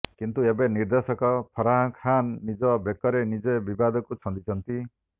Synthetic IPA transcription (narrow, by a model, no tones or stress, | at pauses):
kint̪uebeniɾd̪esɔkɔpʰɔɾaɦãkʰanːid͡ʒɔbekɔɾenid͡ʒɔbibad̪ɔkut͡ʃʰɔnd̪it͡ʃʰɔnt̪i